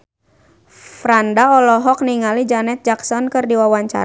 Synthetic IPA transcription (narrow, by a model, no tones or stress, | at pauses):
fɾandaɔlɔɦɔk̚niŋalid͡ʒanɛt̪̚d͡ʒaksɔnkɨrdiwawaɲt͡ʃa̰ɾ